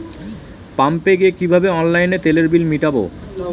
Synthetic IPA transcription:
pampeɡeekibʱabeɔnlajnet̪eleɾbilmiʈabo̰

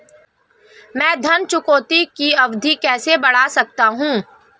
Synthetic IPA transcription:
mɛ̃ːd̪ʱɐnt͡ʃʊkoːt̪ikiɐʋd̪ʱikɛːsebɐɽ̤asɐk̚t̪aɦũː

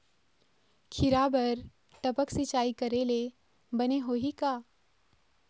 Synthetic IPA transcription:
kʰɪɾaːbəɾ | t̪ɐpəksɪt͡ʃaːikɐɾele | bɐneɦoːɦikaː

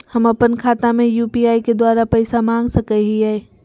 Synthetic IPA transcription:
həməpənkʰaːt̪amẽjupiaːiked̪waɾapəɪsamãŋɡsəkəɦiɛe

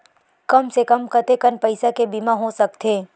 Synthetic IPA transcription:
kɐmsekəmkɐt̪ekənpɐɪsakebimaɦosɐk̚t̪ʰeː

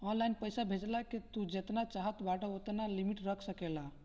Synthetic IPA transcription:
ɔnlajnpəjsabʱed͡ʒlaket̪ud͡ʒet̪nat͡ʃaɦət̪baʈəot̪nalimiʈɾəkʰsəkela

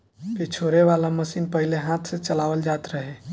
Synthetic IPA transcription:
pet͡ʃʰoɾeʋalaməsiːnpəɦileɦãt̪ʰsẽt͡ʃəlaʋəld͡ʒat̪ɾəɦe

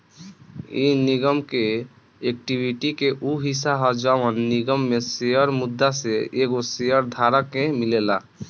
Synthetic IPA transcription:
iniɡəmke | ek̚ʈibʱiʈikeʔuɦisaɦɔd͡ʒaʋənːiɡəmːeseəɾmud̪ːaseeɡosejəɾd̪ʱaɾəkːemilela

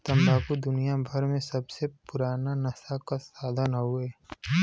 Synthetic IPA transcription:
t̪ɐmbʱaːkud̪ʊnijabʱəɾmẽsɐbsepʊɾaːnanɐsakasaːd̪ʱənɦueː

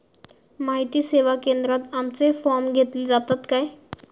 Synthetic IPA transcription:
maɦit̪iːseʋakend̪ɾat̪amt͡sefɔɾmɡʱet̪led͡zat̪at̪kaj

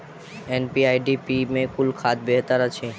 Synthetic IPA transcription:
enpiajɖipimekulkʰad̪̚beɦt̪aɾat͡ɕʰe

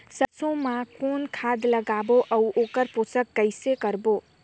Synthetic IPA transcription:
səsõmãkonkʰad̪ləɡaboʔəwʔokəɾposəkːəjsekəɾbo

